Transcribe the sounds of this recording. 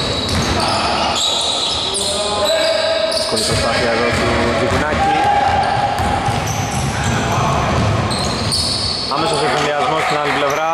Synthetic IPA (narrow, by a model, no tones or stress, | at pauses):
koit̪ost̪aθiɐðot̪i | t̪ikunaci | ɐmesoseeliɐzmost̪inaliplevɾa